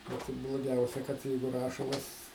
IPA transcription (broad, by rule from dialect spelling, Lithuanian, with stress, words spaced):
ˈʋɐt ɪ blˠoːˈɡʲɛʊsʲɛ kɐt ˈjɛɪɡʊ ˈrɑːʃɐlˠɐs